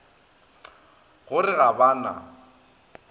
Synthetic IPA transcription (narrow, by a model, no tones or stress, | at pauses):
ɣʊrɪɣabaːna̰